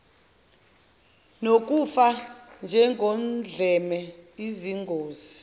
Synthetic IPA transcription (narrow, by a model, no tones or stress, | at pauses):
nok̬ʼufand͡ʒʱɛŋɡʱɔnd͡ɮʱɛmɛiziŋɡʱoːzi